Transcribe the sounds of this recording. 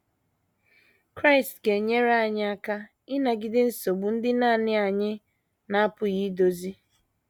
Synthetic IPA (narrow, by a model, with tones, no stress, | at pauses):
kɾa˦ɪ˨stɡe˨ɲe˦ɾa˨ɲɪ˦a˦ka˦ | ɪ˦na˨ɡɪ˨dɪ˦n̩˦so˨ɡ͡bʊ˨n̩˦dɪ˦na˦˨nɪ˦a˨ɲɪ˦ | na˦pʊ˨ɣi˦do˨zi˦